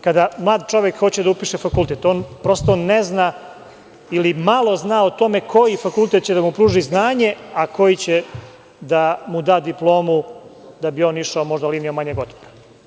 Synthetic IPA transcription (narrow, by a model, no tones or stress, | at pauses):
kad̪amlˠaːd̪t͡ʃo̞ʋjekxo̞t͡ɕed̪aupiːʃefakulˠt̪et̪oːnpɾo̞st̪onːezna | ilimalˠo̞znaːot̪o̞me̞kʰo̞jifakulˠt̪et̪̚t͡ɕed̪amupɾuːʒiznaːɲe̞ako̞jit͡ɕe | d̪amud̪aːd̪iplˠo̞ːmud̪abio̞ːniʃaomo̞ʒd̪aliːniomaɲeɡo̞t̪poɾa